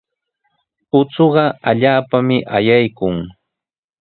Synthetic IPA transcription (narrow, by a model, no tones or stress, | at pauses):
ʊt͡soɢɑaʎaːpamɪʔajajkʊŋ